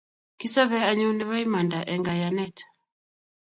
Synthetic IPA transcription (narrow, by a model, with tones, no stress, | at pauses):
ki˦sa˦βɛ˦a˦ɲɛ˦u˦ndɛ˦βa˦i˦ma˨nda˨ʔɛ˨ŋɡa˨ja˨nɛ˦t